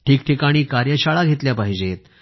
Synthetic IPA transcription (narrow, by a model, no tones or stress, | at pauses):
ʈʰiːkʈʰikaɽ̃iːkaɾjəɕaɭaɡʱet̪ljapaɦid͡ʑet̪̚